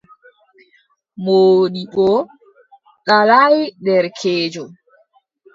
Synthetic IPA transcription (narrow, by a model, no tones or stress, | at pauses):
moːɗiɓɔ | ɗalajdɛɾkʰeːd͡ʒɔ